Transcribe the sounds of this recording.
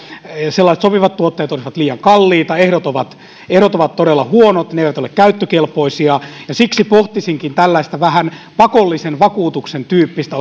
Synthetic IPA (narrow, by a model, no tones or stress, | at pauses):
selːɑiset̪sopiʋɑt̪t̪uot̪ːeːt̪olisiʋɑt̪liːjɑŋkɑlːiːt̪ɑehɾot̪oʋɑt̪ | ehɾot̪oʋɑt̪t̪oɾelːɑhuonot̪neeiʋæt̪olekkæyt̪ːøkelpoisiɑjɑsiksipoht̪isiŋkint̪ælːæist̪æʋæhænpɑkolːisenʋɑkuːt̪uksent̪yːpːist̪æ